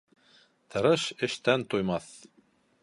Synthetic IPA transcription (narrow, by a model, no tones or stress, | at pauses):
t̪ʰɤ̆ɾɤʃɘ̆ʃt̪ænt̪ujmɑθ